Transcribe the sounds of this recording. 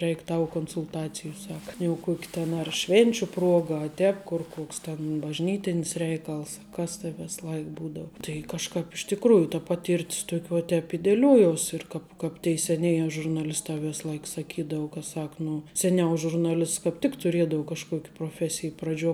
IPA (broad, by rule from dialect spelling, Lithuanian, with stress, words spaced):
ˈrʲɛɪkʲ ˈtɐʊ koːnsʊlˠˈtɑːt͡sʲɪjuː ˈsɑːkɐ jɛʊ ˈkuɔkʲɪ tʲɛn ɐr ˈʃʲʋʲeːnʲt͡ʃʲʊ ˈpruɔɡɐ ɐ ˈtʲɛːp kʊr ˈkoːks tʲɛn bɐʒʲˈnʲiːtʲɪnʲɪs ˈrʲɛɪkɐlˠs ɐ ˈkɐs tɐɪ ˈʋʲeːs ˈlˠɐɪ ˈbuːdɐʊ tɐɪ kɐʃˈkɑːp ɪʃ tʲɪkˈruːjʊ tɐ ˈpɑːˌtʲiːrʲtʲs ˈtuɔkʲ ʋuɔ ˈtʲɛːp ɪ dʲɛˈlʲuɔjuɔsʲ ɪr ˈkɑːp ˈkɑːp tʲɛɪ sʲɛˈnʲeːjɛ ʒʊrnɐˈlʲɪstɑː ˈʋʲeːs ˈlˠɐɪk sɐˈkʲiːdɐʊ kɐ ˈsɐk ˈnʊ sʲɛˈnʲɛʊ ʒʊrnɐˈlʲɪsts kɑːp ˈtʲɪk tʊˈrʲiɛdɐʊ kɐʃˈkuɔkʲ proːˈfʲæːsʲɪj prɐˈd͡ʒʲuɔ